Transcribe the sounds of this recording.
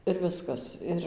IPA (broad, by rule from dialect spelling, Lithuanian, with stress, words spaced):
ɪr ˈʋʲɪskɐs ˈɪr